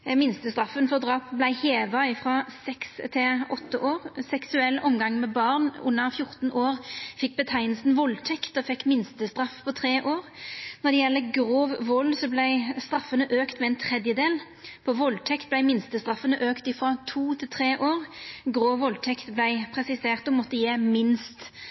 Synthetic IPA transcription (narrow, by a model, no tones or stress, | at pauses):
mɪnst̪əst̪ɾɑfənfɔʁd̪ʁɑːpblæɪheːʋɑɪfʁɑsɛkst̪ʰɪlʔɔt̪ːəʔoːʁsɛksʉɛlːʔɔmɡɑŋmɛbɑːʁnʊ̰nːəʁfjʊʁt̪n̩ʔoːʁfɪk̚ːbət̪ʰæɪnl̩sn̩ʋɔlt̪ʰɛkt̪ɔfɛkːmɪnst̪əst̪ʁɑfpʰɔt̪ʰʁeːʔoːʁnɔd̪ɛjɛlːəɡʁoːʋʋɔlːsɔblæɪst̪ɾɑfːənəʔøːkt̪mɛɛːnt̪ʰʁɛd̪jəd̪eːl | pʰɔʋɔlt̪ʰɛkt̪̚blæɪmɪnst̪əst̪ʁɑfːənəʔøːkt̪ɪfʁɑt̪ʰuːt̪ʰɪlt̪ʰʁeːʔoːʁɡʁoːʋɔlt̪ʰɛkt̪blæɪpʰʁɛsɪseːʁt̪ɔmɔt̪ːəjeːmɪnst̪